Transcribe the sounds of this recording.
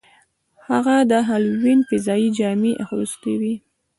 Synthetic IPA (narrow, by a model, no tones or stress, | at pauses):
haɣad̪əɦalwinfɪzɑjid͡ʒɑmiʔaxosk̪awi